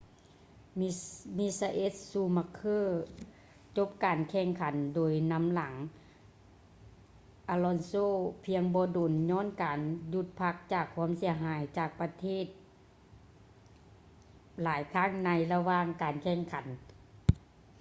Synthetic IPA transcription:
mi˧˥sa˧ʔe˧˦˥t̪̚suː˧˩ma˧kʰːɤː˥˩ | t͡ɕo˧˦p̚kaː˨˩nkʰɛː˧˩ŋkʰa˨˦ndoː˨˩jna˧˥mla˨˩˦ŋ | ʔaː˧lɔ˧˥nsoː˧˥˨pʰi˧əŋbɔː˧doː˨˦nɲɔː˧˥˨nkaː˨ndu˧˦t̪̚pʰa˧k̚t͡ɕaː˧˩kʰːu˧˥ə˨msi˨˩˦ɐɦaː˨˦jt͡ɕaː˧˩k̚pa˧t̪ʰeː˥˩˨t̪̚ | laː˨˦jt̪ʰa˧˥˨ŋna˧˥jla˧waː˧˨ŋkaː˨˩nkʰɛː˧˩ŋkʰa˨˩˦n

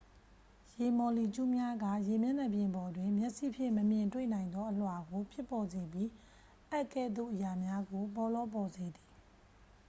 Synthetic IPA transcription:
je˨mɔ˨li˨t͡ɕu˦mja˦ɡä̰˦˨je˨mjɛ˦˨nɛ˨bjɪ̃˨mbɔ˨dwɪ̃˨mjɛ˦ʔsḭ˦˨pʰjɪ̃˦˨məmjɪ̃˨ntwḛ˦˨nã˨ɪ̃nd̪ɔ˦ʔəl̥wa˨ɡo˨pʰjɪ˦pːɔ˨ze˨bji˦ | ʔɛ˦ʔkɛ̰˦˨d̪o̰˦˨ʔəja˨mja˦ɡo˨p̬ɔ˨lɔ˦p̬ɔ˨ze˨d̪i˨

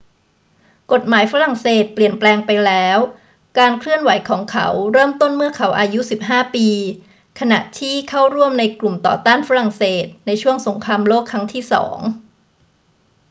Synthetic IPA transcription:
ko˨˩t̪̚maː˩˦jfa˧˦˥ɾa˨˩ŋseː˨˩t̪̚pli˨˩ənplɛː˧ŋpa˧jlɛː˦˥w | kaː˧nkʰlɯ˥˩ənwa˩˦jkʰɔː˩˦ŋkʰa̰˦˥wɾɤː˥˩mt̪o˥˩nmɯ˥˩ɐkʰa˩˦˥wʔaː˧ju˦˥si˨˩p̚ɦaː˥˩piː˧ | kʰa˧na˨˩ʔt̪ʰiː˥˩kʰa˥˩wɾu˥˩əmna˧jklu˨˩mt̪ɔ̰ː˨˩t̪aː˥˩nfa˧ɾa˨˩ŋseː˨˩t̪̚na˧jt͡ɕʰu˥˩əŋso˩˦ŋkʰaː˧mloː˥˩kʰːa˦˥ŋt̪ʰiː˥˩sɔ̰ː˩˦ŋ

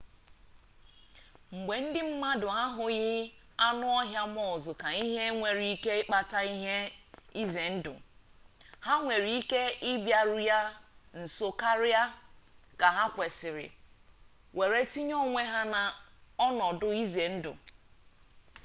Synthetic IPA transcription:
ŋ͡m̩˨ɡ͡be˨n̩˦dɪ˦m̩˦ma˦dʊ˨a˦ɦʊ˨ɣɪ˦ | a˦nʊ˦ɔ˦ɦja˦mɔ˦ʊ˨zʊ˨ka˨i˦ɦe˦ŋʷe˨ɾi˦i˦ke˦ɪ˦k͡pa˨ta˦i˦ɦe˦i˦ze˨n̩˦dʊ̰˨ | ha˦ŋʷe˨ɾi˨i˦ke˦ɪ˦bja˨ɾʊ˦ja˦n̩˨so˦ka˦ɾa˦ka˨ɦa˦kʷe˨sɪ˨ɾɪ̰˨ | wʔe˨ɾe˦ti˦ɲɔ˦ŋʷe˦ɦa˦na˨ɔ˦nɔ˨dʊ˦i˦ze˨n̩˦dʊ̰˨

